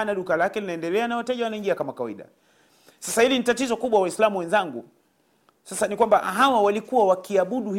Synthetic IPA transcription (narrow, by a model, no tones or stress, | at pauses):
naɗukalakɛlinaɛndɛlɛanawatɛʄawanaiŋɡiakamakawa̰ḭɗa̰ | sasahilinitatizɔkuɓwawaislamuwɛnzaŋɡu | sasanikwambaɦawawalikuwawakiaɓuɗuh